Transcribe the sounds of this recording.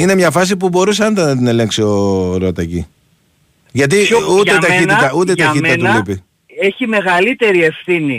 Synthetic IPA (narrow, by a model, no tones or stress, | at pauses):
ine̞mɲɐfɐs̬ipubo̞ɾusɐnd̪ɐnɐt̪ine̞le̞ŋksio̞ɾot̪ɐcḭ | ʝɐt̪iut̪et̪ɐit̪it̪ɐut̪̬et̪ɐiɐnt̪ulipi | eçime̞ɣɐlit̪e̞ɾie̞fθini